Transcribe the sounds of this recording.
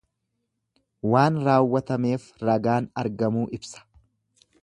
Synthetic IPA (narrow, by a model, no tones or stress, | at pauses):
waːnɾaːwːɐt̪ɐme̞ːfɾɐɡaːnɐɾɡɐmuːʔɪbsɐ̥